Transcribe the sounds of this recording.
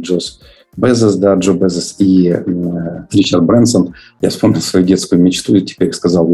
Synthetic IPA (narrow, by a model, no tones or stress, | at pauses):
ʐos | bɛzɛsd̪aʐobɛzɛsi | ɾʲit͡ɕɐrd̪̚bɾɛnt̪sən | ja̰fspomnʲɪlˠsvɐjudʲe̞t̪skʊjʊmʲɪt͡ɕt̪utʲɪ̥pʲeɾʲɪskɐzɑlˠ